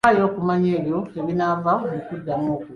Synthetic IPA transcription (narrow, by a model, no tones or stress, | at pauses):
ajo̞ːkumaɲeːβjoeβinavaβikudːamoːku